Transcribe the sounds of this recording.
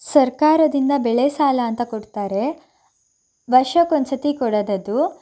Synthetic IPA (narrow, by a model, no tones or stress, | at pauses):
sɐɾkaːɾɐd̪ind̪ɐbɛɭesaːlɐːnt̪ɐkoɽt̪aːɾe̞ | ʋɐɾʃɐkont͡ʃɐt̪ikɔɽɐd̪ɐd̪u